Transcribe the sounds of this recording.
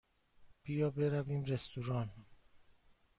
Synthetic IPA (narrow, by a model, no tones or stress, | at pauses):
b̥ijɒːbeɾæviːmɾest̪uɾɒːn